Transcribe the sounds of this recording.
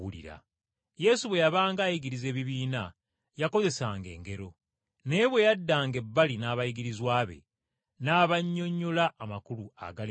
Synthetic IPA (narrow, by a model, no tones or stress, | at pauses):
ulḭɾa̰ | je̞suβwe̞jaβaːŋɡaːjiɡiɾize̞ːβiβiːna | jako̞ze̞saːŋɡe̞̰ːŋɡe̞ɾo̞ | ne̞ːβwe̞jadːaːŋɡe̞bːalinaːβajiɡiɾizwaːβe̞̰ | naːβaɲːo̞ɲːo̞laʔːmakulua̰ɡal